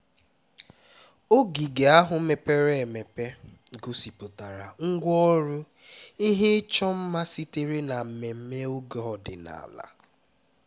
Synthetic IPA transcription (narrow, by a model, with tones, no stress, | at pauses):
o˦ɡi˨ɡe˨a˦ɦʊ˨me˨pe˦ɾe˦e˨me˨pe˦ɡo˦si˨pʊ˨ta˨ɾa˨ŋ̩˦ɡʷɔ˦ɾʊ˦ | i˦ɦe˦t͡ʃɔ˦m̩˦ma˦si˦te˦ɾe˦na˨m̩˨me˨m̩˦me˦o˦ɡɔ˨dɪ̰˨na̰˨la̰˨